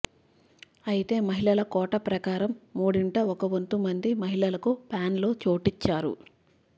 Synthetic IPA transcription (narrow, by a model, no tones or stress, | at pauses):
ɐjit̪e̞ːmɐɦiɭɐlɐkɔːʈɐpɾɐkaːɾɐmːuːɽiɳʈɐɔkɐʋont̪umɐnd̪imɐɦiɭɐlɐkupaːnlo̞ːt͡ʃoːʈit͡ʃːaːɾṵ